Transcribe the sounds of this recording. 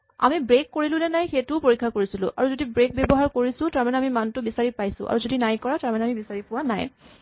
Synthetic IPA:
a̰mibɹekːoɹilʊlɛnajxetʊpoɹikʰːakoɹisilʊ̰ʔa̰ɹuzodibɹek̚bebɔɦaɹkoɹisʊ̃taɹmanɛamimantʊbisaɹipajsʊ̰̃ʔa̰ɹuzodinajkɔɹataɹmanɛamibisaɹipʊwana̰j

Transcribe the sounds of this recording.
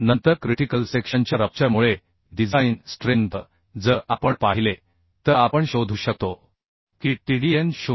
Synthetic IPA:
nənt̪əɾkɾiʈikəlsekɕəɲt͡ɕjaɾəp̚t͡ɕjamuɭe | ɖid͡zainsʈɾent̪ | d͡zəʔapəɳpaɦile | t̪əapəɳɕod̪ʱuːɕək̚t̪o | kiːʈiɽienɕu

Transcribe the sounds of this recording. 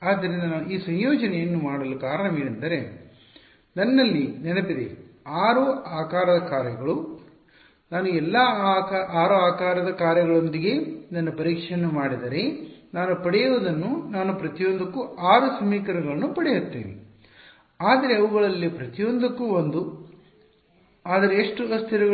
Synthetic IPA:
aːd̪ːɐɾind̪ɐnaːnuiːsɐɲjoːd͡ʒɐnɛjɐnːumaːɽɐlukaːɾɐɳɐmiːɭɐnd̪ɐɾe̞ | d̪ɐnːɐlːinɛnɐpid̪ḛ | aːɾuaːkaːɾɐd̪ɐkaːɾjɐɡɐɭu | naːnuɛlːɐ | aːɾoaːkaːɾɐd̪ɐkaːɾjɐɡɐɭond̪iɡe̞d̪ɐnːupɐɾiːkʂjɐnːumaːɽid̪ɐɾe̞naːnupɐɽɛjuʋud̪ɐnːunaːnupɾɐt̪ijond̪ɐkːuaːɾusɐmiːkɐɾɐɡɐɭɐnːupɐɽɛjut̪ːḛːnḭ | aːd̪ɐɾe̞ɐʋɐɡɐɭɐlːipɾɐt̪ijond̪ɐkːuond̪u | aːd̪ɐɾeːʂʈuɐst̪ʰiɾɐɡ

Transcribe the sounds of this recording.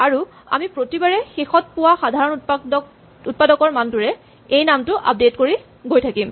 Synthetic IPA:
aɹu | a̰mipɹotibaɹɛxexɔt̚pʊwaxadʱaɹɔnp | ut̚padɔkɔɹmantʊɹɛ | ejnamtʊʔa̰p̚detkoɹi | ɡojtʰakim

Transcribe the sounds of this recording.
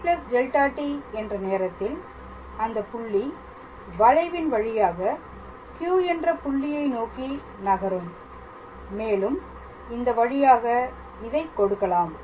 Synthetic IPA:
plɐsd͡ʒɛlʈaːʈːiɛndrɐneːɾɐt̪ːɪl | ɐnd̪ɐpʊɭːi | ʋɐɻɐɪʋɪnʋɐɻɪjaːɣɐ | kjuːɛndrɐpʊɭːɪjɐɪnoːki | nɐɣɐɾɯmː | eːlɯm | ɪnd̪ɐʋɐɻɪjaːɣɐ | ɪðɐɪkːɔɽɯkːɐlaːm

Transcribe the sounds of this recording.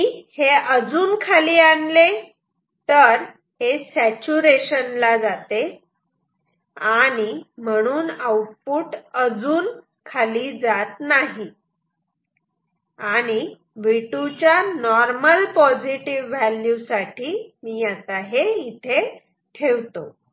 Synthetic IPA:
heəd͡zuːnkʰaliːanle | t̪əɾ | hesæt͡ɕuɾeɕənlad͡zat̪e | aɽ̃im̤əɽ̃uːnəwʈ̚puːʈəd͡zuːn | kʰaliːd͡zat̪naɦi | aɽ̃i | ʋiʈut͡ɕjanɔɾməlpɔd͡ziʈiʋʋæljusaʈʰiːmiːjat̪aɦeit̪ʰe | ʈʰeʋt̪o

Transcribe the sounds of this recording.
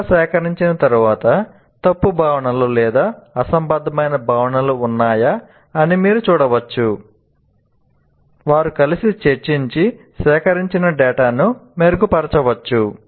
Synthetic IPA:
sɛːkɐɾiɲt͡ʃinɐt̪ɐɾuʋaːt̪ɐ | t̪ɐpːubʱaːʋɐɳɐlulɛːd̪aːɐsɐmbɐd̪ʱɐmɐjnɐbʱaːʋɐɳɐluːnːaːjaː | nimiːɾut͡ʃuːɽɐʋɐt͡ʃːu | ʋaːɾukɐlisit͡ʃet͡ʃːiɲt͡ʃi | sɛːkɐɾiɲt͡ʃinɐɖɛːʈaːnumeɾɡupɐɾɐt͡ʃɐʋɐt͡ʃːu

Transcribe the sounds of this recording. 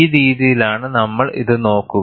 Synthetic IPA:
ɾiːðijilaːɳɨnɐmːɐɭḭðɨno̞ːkːu

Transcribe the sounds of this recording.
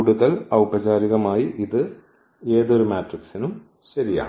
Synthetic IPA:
kuːɽuðɐlɐwbɐd͡ʑaːɾiɣɐmaːjiʔiðɨ | e̞ːðo̞ɾumaːʈriksinum | ɕɐɾija̰ː

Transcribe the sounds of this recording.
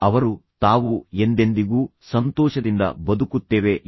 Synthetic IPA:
ɐʋɐɾut̪aːʋue̞nd̪e̞nd̪iɡuːsɐnt̪ɔːʃɐd̪ind̪ɐ̰bɐd̪ukut̪ːeːʋe̞

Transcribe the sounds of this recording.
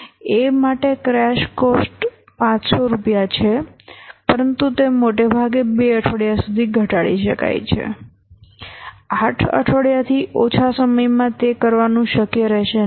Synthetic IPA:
emaʈekɾɛʃkosʈ | pãt͡ʃsoɾupjat͡ʃʰepəɾənt̪ut̪emoʈebʱaɡebeəʈʰʋəɽjasud̪ʱiɡʱəʈaɭḭʃəka̰jt͡ʃʰḛ | aʈʰə̰ʈʰəɽjat̪ʰiʔot͡ʃʰasəməjmãt̪ekəɾʋanũʃəkjəɾɛʃe

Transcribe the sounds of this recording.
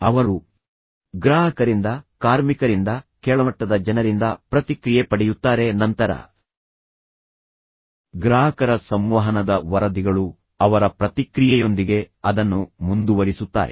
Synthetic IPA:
ɐʋɐɾu | ɡɾaːɦɐkɐɾind̪ɐkaːɾmikɐɾind̪ɐkɛːɭɐmɐʈːɐd̪ɐd͡ʒɐnɐɾind̪ɐpɾɐt̪ikɾijepɐɽejut̪ːaːɾe̞nɐnt̪ɐɾɐ̰ | ɡɾaːɦɐkɐɾɐsɐmʋɐɦɐnɐd̪ɐʋɐɾɐd̪iɡɐɭu | ɐʋɐɾɐpɾɐt̪ikɾijɛjo̞nd̪iɡe̞ɐd̪ɐnːumund̪uʋɐɾisut̪ːa̰ːɾe

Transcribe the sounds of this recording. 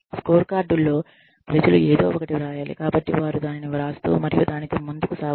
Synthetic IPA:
skoːɾkaːɾɖulːo̞ː | pɾɐd͡ʒɐlueːd̪o̞ːɔkɐʈiɾaːjaːlḭkaːbɐʈːiʋaːɾud̪aːniniʋɾaːst̪ṵmɐɾijud̪aːnit̪o̞ːmund̪ukusaː

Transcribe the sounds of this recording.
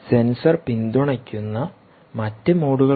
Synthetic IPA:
se̞nsɐrpind̪uɳɐkʲːunːɐ | mɐtːɨmoːɽuɣɐ

